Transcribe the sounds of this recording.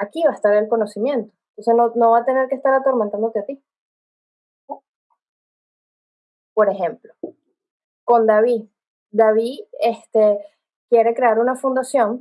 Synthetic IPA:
akiβaest̪aɾelko̞no̞simje̞nt̪o̥ent̪onsesnono̞βat̪e̞ne̞ɾkest̪aɾat̪o̞ɾment̪and̪o̞t̪eat̪i | po̞ɾe̞xe̞mplo̥ | ko̞nd̪aβi | d̪aβiest̪e | kje̞ɾe̞kɾe̞aɾunafund̪asjo̞n

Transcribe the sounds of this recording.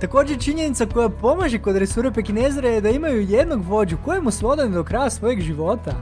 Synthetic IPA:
t̪ako̞ːd͡ʒet͡ʃiɲe̞nit̪sakojapo̞maʒekod̪ɾesuɾpeknezɾajed̪aimajujed̪noɡʋo̞d͡ʑukojemusʋod̪ened̪o̞kɾajasʋo̞jeɡʒiʋo̞t̪a

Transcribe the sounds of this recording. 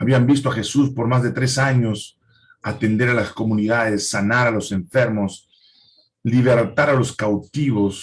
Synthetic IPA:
aβiambis̬t̪oaxe̞suspo̞ɾmazðe̞t̪ɾesaɲos | at̪e̞nd̪e̞ɾalasko̞muniðaðesːanaɾalo̞se̞ɱfeɾmos | liβeɾt̪aɾalo̞skawt̪iβos

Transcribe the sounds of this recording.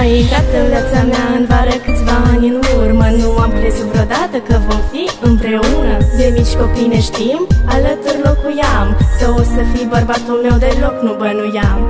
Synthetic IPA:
aid̪ʲat̪ənvʲjap̪sameaɨnvaɾəkɨt̪sʲvaanʲɨnurmənuamkɾezut̪vɾʲo̞d̪at̪əkəvo̞mfiɨmpɾe̞unəd̪emit͡ʃʲko̞pijneʃt̪imalət̪urʲlo̞kujamkəosəfibərbat̪ulme̞wd̪e̞lo̞knubənujam

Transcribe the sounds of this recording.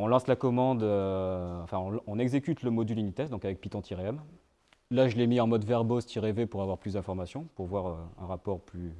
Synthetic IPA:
ɔ̃lɑ̃slakɔmɑ̃d̪øɑ̃fɛ̃ɔ̃ːnɛɡzekʲyt̪ləmɔd̪ylinit̪ɛsd̪ɔ̃kavɛk̚pit̪ɔ̃t̪ʰiʁeɛm | laʒəlemiɑ̃mɔd̪vɛʁbost̪iʁevepuʁavwaʁplys̬d̪ɛ̃fɔʁmasjɔ̃puʁvwaʁøɛ̰̃ʁapɔʁply

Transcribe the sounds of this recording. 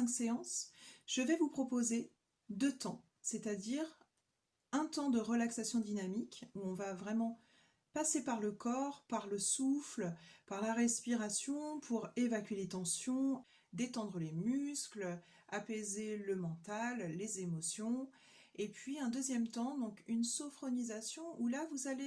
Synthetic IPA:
ɛ̃kseɑ̃sʒ̥əvɛvupχɔpoze | d̪øt̪ɑ̃ | set̪ad̪iʁ | ɛ̃t̪ɑ̃d̪əʁəlaksasjɔ̃d̪inamikuɔ̃vavʁɛmɑ̃ | pasepaʁləkɔʁpaʁləsuflpaʁlaʁɛspiʁasjɔ̃pʰuʁevakʲɥelet̪ɑ̃sjɔ̃ | d̪et̪ɑ̃d̪ʁəlemyskl | apezeləmɑ̃t̪alːezemɔsjɔ̃ | epɥiɛ̃d̪əzjɛmt̪ɑ̃d̪ɔ̃kynsɔfχɔnizasjɔ̃ʔulavuzale

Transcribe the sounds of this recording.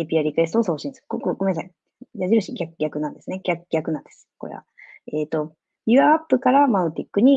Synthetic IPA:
epʲiaɾʲikɯ̟e̞s̬t̪osooɕĩsɨɯɾɯ̥koɡoɡomesa | aziɾɯ̟ɕiɡʲakɡʲakɯ̟nãnd̪esɨneɡʲaɡ̥ʲakɯ̟nãnd̪e̞̥sɨ̥ko̞̰ɾḛβa̰eːt̪ːo̞ | jɯ̟aːpːɯ̟kaɾamaɯ̟t̪ʲikːɯ̟ɲ̟i

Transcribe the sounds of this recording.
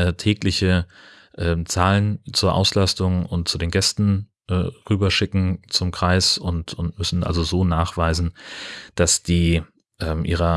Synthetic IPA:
ɛtʰɛːklɪçə | ʔɛːt͡saːlənt͡suːɐʔa̰ʊslastʊŋʊ̰nt̚t͡sudeːnɡɛstn̩ | ʔɛːʁyːbɐʃɪkŋ̩t͡sʊmkʁ̥aɪsʊntʊntmʏsn̩ʔa̰lzozoːnaːχv̥aɪzn̩d̥asd̥iː | ʔɛmʔiːʁɐ

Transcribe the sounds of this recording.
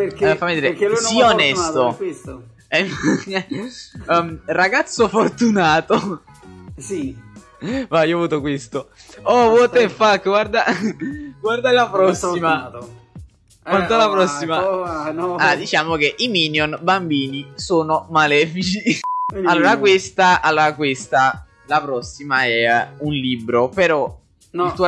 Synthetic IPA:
kfamːid̪iːɾesionɛsst̪os | ɛm | raɡat̪sːofort̪unaːt̪o | vaiːoavuːt̪okwest̪o | ɔvɔːt̪efːakɡward̪a | ɡward̪alapɾɔsːima | kwant̪alapɾɔsːima | ad̪it͡ʃaːmok̟eʔimiːnjonbambiːnisoːnomalɛːfit͡ʃialːoːɾakwest̪aalːoːɾakwest̪a | lapɾɔsːimaɛunlibɾopeɾɔ | ilt̪uo

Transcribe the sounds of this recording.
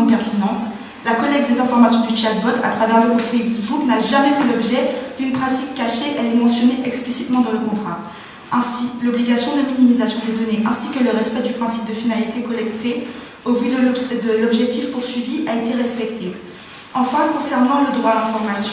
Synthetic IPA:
bjɛ̃finɑ̃s | lakɔlɛk̚d̪ezɛ̃fɔʁmasjɔ̃d̪yt͡ʃat̪̚bɔt̪ʰa̰t̪χavɛʁləkɔ̃t̪fɛsbuknaʒamɛfɛlɔbʒɛdynpχat̪ikːaʃeʔɛlɛmɑ̃sjɔneʔɛksplisit̪mɑ̃d̪ɑ̃ləkɔ̃t̪χa | ɛ̃silɔbliɡʲasjɔ̃d̪əminimizasjɔ̃d̪ed̪ɔneʔɛ̃sikələʁɛspɛd̪ypχɛ̃si̥p̚d̪əfinalit̪ekɔlɛkt̪e | ovyd̪əld̪əlɔbʒɛk̚t̪ifpuʁsɥiviʔaet̪eʁɛspɛkt̪ʰe | ɑ̃fɛ̃kɔ̃sɛʁnɑ̃ləd̪ʁwalɛ̃fɔʁmasj

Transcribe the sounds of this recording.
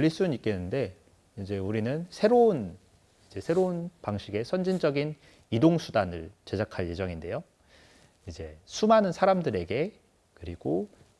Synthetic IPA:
ʌʎːiɭs͈unɯnik͈e̞nːɯnde̞ | id͡ʑe̞uɾinɯnsʰeɾoun | id͡ʑe̞sʰe̞ɾounpaŋɕʰiɡe̞sʰʌnd͡ʑind͡ʑʌɡin | idoŋsʰudanɯɭt͡ɕe̞d͡ʑakʰaɭje̞d͡ʑʌŋinde̞jo | id͡ʑe̞sʰumanɯnsʰaɾamdɯɾe̞ɡe̞ | kɯɾiɡo

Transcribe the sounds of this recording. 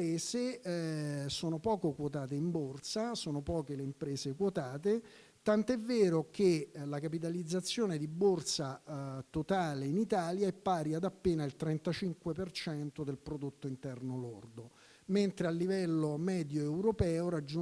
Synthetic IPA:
eːse | soːnopɔːkokwot̪̬aːt̪̬eimbort̪sasoːnopɔːkeleimpɾeːsekwot̪aːt̪e | t̪ant̪oɛvːɛːɾok̟elakapit̪alid̪zːat̪sːjoːned̪ibort̪sat̪ot̪aːleinit̪aːljaepːaːɾjad̪apːeːnailt̪ɾɛnt̪at͡ʃiŋkwepert͡ʃɛnt̪od̪elpɾod̪ot̪ːoint̪ɛrnolord̪o | ment̪ɾealːivɛlːomɛːd̪joɛwɾopɛːoɾad͡ʒːu

